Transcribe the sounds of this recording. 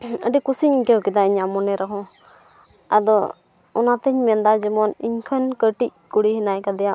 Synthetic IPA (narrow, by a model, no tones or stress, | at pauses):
ə̰ɖikusiɲiɲkɛkid̪aiɲamɔnɛɾaɦɔ̃ | a̰d̪ɔ | ɔnat̪əɲmɛnd̪ad͡ʒɛmɔniɲkʰənkəʈic̚kuɽihinajkad̪ɛja